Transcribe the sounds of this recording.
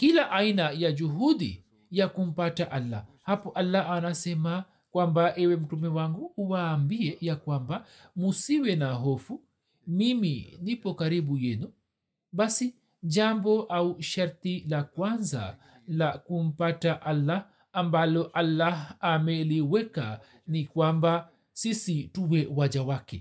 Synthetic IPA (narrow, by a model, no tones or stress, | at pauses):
kilaʔajnajad͡ʒuɦudḭ | jakumpataʔalːa̰hapːɔʔalːaanasɛma | kwambaʔɛwɛmtumɛwaŋɡuwambiɛjakwamba | musiwɛnaɦofu | mimḭnipːɔkaɾibujɛnɔ | basi | d͡ʒambɔʔauʃaɾt̪ilakwanza̰ | lakum̩pataʔalːaː | mbalɔʔalːaamɛliwɛka | nikwamba | sisituwɛwad͡ʒawakɛ